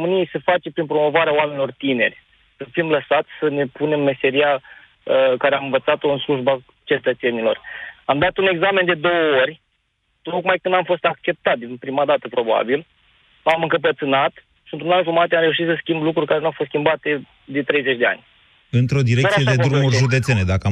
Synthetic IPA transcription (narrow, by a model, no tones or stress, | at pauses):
omɨnijejse̞fat͡ʃe̞pɾinpɾo̞mo̞vaɾeawame̞nilo̞rt̪ine̞̰rʲ | səfimləsat̪sʲsəne̞pune̞mme̞se̞ɾia | əkaɾeamɨnvət̪sat̪o̞ɨnsluʒba | t͡ʃe̞t̪ət̪se̞nilo̞ramd̪at̪une̞ɡzame̞nd̪ed̪o̞wəo̞rʲ | t̪o̞kmajkɨnamfo̞st̪ak̚t͡ʃe̞p̚t̪at̪̚d̪inpɾimad̪at̪əpɾo̞ba̰bil | amɨŋkəp̬ət̪sɨnat̪ | ʃiɨnt̪ɾunanʒumat̪eamɾe̞uʃ̬it̪səskʲimblukɾurʲkaɾenuawfost̪skʲimbat̪e̞ | d̪et̪ɾe̞jze̞t͡ʃʲd̪e̞a̰nʲ | ɨnt̪ɾo̞d̪iɾekəsijed̪ed̪ɾumuɾʲʒud̪e̞t̪se̞ned̪akəa